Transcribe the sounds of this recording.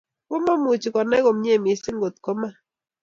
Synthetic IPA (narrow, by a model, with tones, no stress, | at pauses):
wo˦mɔ˦mu˨t͡ʃi˨kɔ˨nɛ˦ɣo˨m˦ɲ˦e˦˨mi˨˦sɪ˦ŋɡo˨t̪̚ko˦ma˦